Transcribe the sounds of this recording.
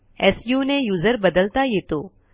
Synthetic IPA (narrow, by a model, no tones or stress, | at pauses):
ɛːsjuːnẽjuːzəɾbɐd̪əlt̪ajeːt̪oː